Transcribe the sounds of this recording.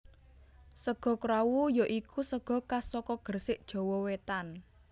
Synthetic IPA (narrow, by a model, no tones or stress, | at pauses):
səɡ̥ɔ̤kɾawujoʔikusəɡ̥ɔ̤kasɔkɔɡ̥ərsɪʔd̥ʒ̥ɔ̤wɔwet̪an